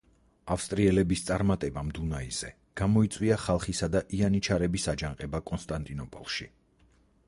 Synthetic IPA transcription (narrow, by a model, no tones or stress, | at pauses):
afst̪ʼɾiɛlɛbist̪sʼaɾmat̪ʼɛbamd̪unaiz̥ɛ | ɡ̥amɔit̪sʼwiaχalˠχisad̪aʔianit͡ʃʰaɾɛbisad͡ʒaŋqʼɛbakʼɔnst̪ʼant̪ʼinɔpʼɔ̰lˠʃi